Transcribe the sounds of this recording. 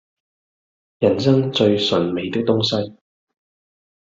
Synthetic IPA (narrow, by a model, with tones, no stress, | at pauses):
jɐ˨˩nsɐ˥ŋt͡sɵ˧ɥsɵ˨˩nme˨˧jt̪ɪ˥k̚t̪ʊ˥ŋsɐ˥j